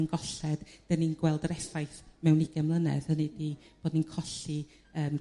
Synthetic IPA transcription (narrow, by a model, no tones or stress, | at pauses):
nɡɔɬɛd̥d̥əninɡwɛlˠdəɾɛsajθmɛwniɡɛmlˠənɛ̰ðhənidib̥oːdninkʰɔɬi | əːm